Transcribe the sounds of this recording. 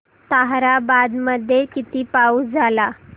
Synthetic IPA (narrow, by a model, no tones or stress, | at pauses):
t̪aɦɾabad̪məd̪ʱːjekit̪iːpauːd͡zʱala